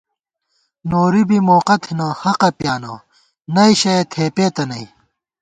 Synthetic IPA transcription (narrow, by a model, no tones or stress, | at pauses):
noːɾibimoːqɐt̪ʰinɐhɐqɐpjaːnɐ | nɐiɕɐet̪ʰeːpeːt̪ɐnɐi